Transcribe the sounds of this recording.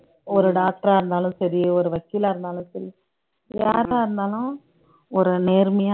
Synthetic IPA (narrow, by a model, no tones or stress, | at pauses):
ɔɾɯɖaːk̚ʈɐɾaːɾɯnd̪aːlʊ̃sɐɾɪɔɾɯʋɐkːɪːlaɾɯnd̪aːlʊ̃sɐɾi | jaːɾɪɾɯnd̪aːlʊ̃ | ɔɾɯneːɾmɐjaː